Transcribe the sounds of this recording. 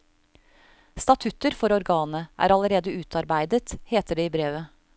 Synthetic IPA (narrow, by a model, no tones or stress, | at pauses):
st̪ɑt̪ʰʉt̪əɾfɔɾɔɾɡɑːnəʔæ̰ːɾɑləɾeːd̪əʉːt̪ɑɾbæɪd̪ət̪heːt̪əɖeːiːbɾeːʋə